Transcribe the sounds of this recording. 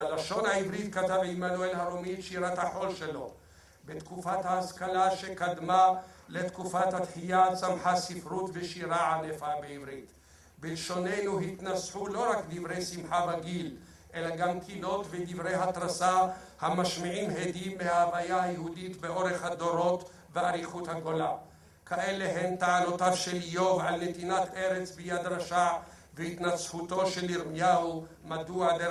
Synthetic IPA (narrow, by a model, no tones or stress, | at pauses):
alaʃo̞nhaivɾit̪kat̪avimanuelhaɾomit̪ʃiɾat̪haħo̞lʃelo̞ | bet̪kufat̪haːskalaʃekad̪malet̪kufat̪hat̪ħijat͡samħasifɾut̪veʃiɾaʕanefabeivɾit̪ | belʃo̞nenuɦit̪nasħulo̞ɾakd̪ivʁejsimħabaɡil | ʔe̞laɡamkʰilo̞t̪ved̪ivʁejɦat̪ɾasa | hamaʃmiʕimɦed̪imːehaavajahajehud̪it̪beʔo̞ɾeχhad̪o̞ɾo̞t̪ | veaɾiχut̪haɡo̞la | kaʔeleɦent̪aʕano̞t̪avʃeljo̞vʕalnet̪inat̪ʔeɾet͡sbejad̪ɾaʃa | vehit̪nat͡sħut̪o̞ʃeliʁmnjau | mad̪uade